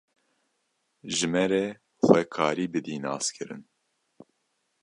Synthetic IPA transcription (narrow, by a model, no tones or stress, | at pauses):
ʒɨmɛɾɛ | xʷɛkʰɑːɾiːbɨd̪iːnɑ̰ːskʰɨɾɨ̰n